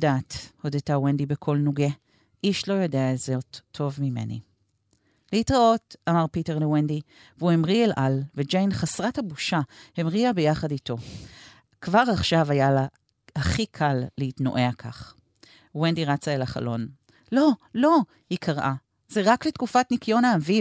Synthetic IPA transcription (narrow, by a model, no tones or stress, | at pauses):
datho̞detawendibekʰo̞lnuɡe̞ | ʔiʃlo̞jodeaezeotʰːo̞vmime̞̰nḭ | lehitʁaotamaʁpiteʁlewendi | vuhemʁielʔalved͡ʒejnχasʁathabuʃahemʁiabejaχadito̞ | kvaʁaχʃavajala | haχikʰallehitno̰ʔe̞akʰa̰χ | wendiʁat͡saelaχa̰lo̞n | lo̞lo̞ | hikʰaʁʔa | zeʁakletkufatnikjo̞naːvi